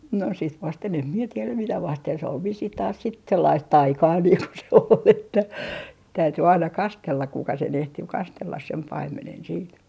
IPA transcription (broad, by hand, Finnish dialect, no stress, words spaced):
no sit ʋɑsten em mie tielæm mitæ ʋɑsten sĕ ol ʋisːih tɑːs sit selːɑist tɑikɑː niːŋ ko se ol etːæ tæyty ɑinɑ kɑstelːɑk kukɑ sen ehti kɑstelːɑs sem pɑimːenen siːt